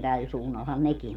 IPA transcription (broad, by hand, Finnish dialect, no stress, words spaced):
tæl suːnːɑlhɑn neki